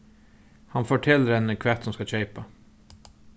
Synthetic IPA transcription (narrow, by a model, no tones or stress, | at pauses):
hɑnfoːʈʰɪlɾɛnəkʰʋɛt̪sɔmskɑçœʏpɑ